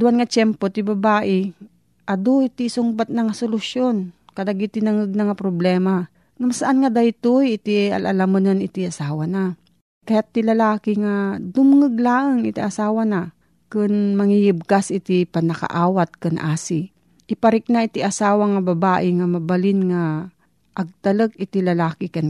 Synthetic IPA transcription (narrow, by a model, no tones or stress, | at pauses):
d̪uanŋɐt͡ʃɛmpot̪ɪbɐbaːʔɪ | ʔɐd̪oit̪isʊŋbat̪̚nɐŋasolʊsjonkɐd̪aɡit̪ɪnɐŋɨɡ̚naŋapɾoblɛːma | ŋamasɐʔanŋɐd̪ajt̪ujɪt̪iɐ̰lʔɐ̰lamɐnanɪt̪iʔɐsaːwana | kɐjat̪ːilɐlaːkɪŋad̪ʊmŋɨɡlaːʔɐŋɪt̪iʔɐsaːwɐna | kɨnmɐŋijɪb̚kasʔɪt̪ɪpɐnɐkɐ̰ʔaːwɐt̪̚kɐnʔaːsɪ | ʔɪpɐɾɪk̚naʔɪt̪iʔɐsaːwɐŋɐbɐbaːʔɪŋamɐbɐlɪnŋa | ʔɐɡ̚t̪ɐlək̚ɪt̪ilɐlaːkɪkɐn